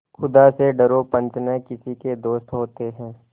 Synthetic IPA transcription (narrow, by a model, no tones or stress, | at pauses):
xʊd̪aseɖɐɾopɐ̃nt͡ʃnekɪsiked̪oːst̪ɦoːt̪eɦɛ̃ː